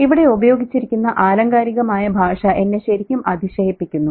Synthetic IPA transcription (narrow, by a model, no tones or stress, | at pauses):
iʋiɽe̞ubɐjo̞ːɡit͡ɕːiɾikʲːunːɐʔaːlɐŋɡaːɾiɣɐmaːjɐbʱaːʂɐʔe̞nːeɕɐɾikʲːumɐd̪ʱiɕɐjipːikʲːunːu